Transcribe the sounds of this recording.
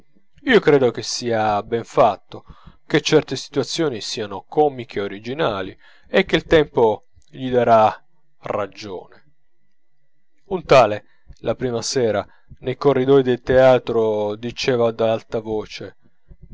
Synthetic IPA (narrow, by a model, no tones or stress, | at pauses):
iːokɾeːd̪ok̟esːiːabɛɱfat̪ːok̟et͡ʃːɛrt̪esi̥t̪wat̪sːjɔːnisiːanokɔːmik̟ʰeoɾid͡ʒinaːli | ek̟ːelt̪ɛmpo | ʎid̪aɾa | rad͡ʒɔ̰ːne | unt̪aːle | lʔapɾiːmasɛːɾa | nejkorːid̪ɔːjd̪elt̪eaːt̪ɾod̪it͡ʃeːvad̪aalt̪avɔːt͡ʃe